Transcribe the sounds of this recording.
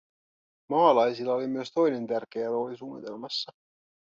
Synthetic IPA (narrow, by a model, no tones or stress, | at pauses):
mɑːlɑjsilːɑo̞limyøst̪o̞jne̞nt̪ærk̟eælo̞ːlisuːnːḭt̪e̞lmɑsːɑ